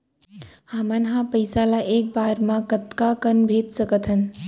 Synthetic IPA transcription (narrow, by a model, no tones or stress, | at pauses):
hamənɦãpəjsalaʔeːk̚baːɾmãkət̪kakənbʱeːt̪səkət̪ʰɦən